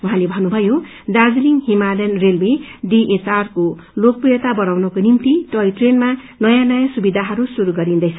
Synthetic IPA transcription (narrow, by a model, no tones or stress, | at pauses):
uɦãlebʱʌnubʱʌjo | ɖad͡zliŋɦimalenrelweɖiʔet͡sarko | lok̚pujʌt̪abʌɽawnʌkonimt̪iʈʌiʈrenma | nʌjãnʌjasubid̪ʱaɦʌɾusuɾuɡʌɾind̪ʌjt͡sʰʌ